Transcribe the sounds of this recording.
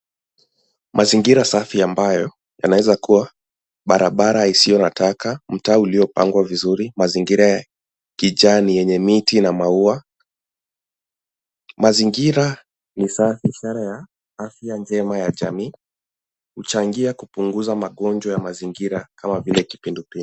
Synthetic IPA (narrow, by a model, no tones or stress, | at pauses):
mʔaziŋɡiɾasafiambajɔ | ja̰nawɛzakuwa | ɓaɾaɓaɾaisijɔnatakam̩taːuliɔpaŋɡwavizuɾimaziŋɡiɾaja | kiʄaːnijɛɲɛmitinamaua | maziŋɡiɾa | nisafiʃaɾaja | afjand͡ʒɛmajaʄa̰miː | hut͡ʃaŋɡiakupuŋɡuzamaɠɔnd͡ʒwajamaziŋɡiɾakamavilɛki̥pindupii